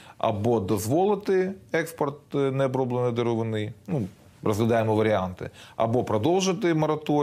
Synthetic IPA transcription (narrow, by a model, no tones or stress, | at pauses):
ɐ̰bod̪ɐzʋolˠɨt̪ɨjɛkspɐrt̪̚nɛɐbɾoblˠɨnɨd̪ɨɾʊʋɨnɨjnu | rɐzɡlʲɪd̪ajɪmɐʋɐɾʲɪant̪ɨ̰ɐ̰bopɾɐd̪olˠʒɨt̪ɨjmɐɾɐt̪o